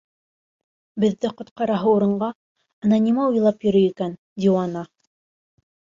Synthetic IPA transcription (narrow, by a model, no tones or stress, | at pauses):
bɘ̆ðːɘqŏt̪qɑɾɑɦɤuɾɤ̆ɴɢɑ | ɑnanʲimɑojlˠɑpjɵ̆ɾɵjikæn | d̪ʲiwɑnɑ